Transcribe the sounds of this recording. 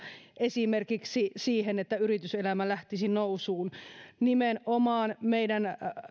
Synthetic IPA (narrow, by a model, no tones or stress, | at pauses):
ʔesimerkiksisiːhenet̪ːæyrit̪yselæmælæht̪isinousuːnnimenʔomɑːnmeidæn